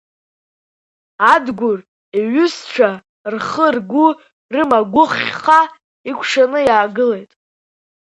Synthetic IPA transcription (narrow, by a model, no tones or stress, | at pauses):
adɡʷʊr | eɥʏst͡ʃʷʰa | rχərɡʷu | rɨmaɡʷʊχʲa | ikʷʰʂanɨjaːɡɨle̞jtʼ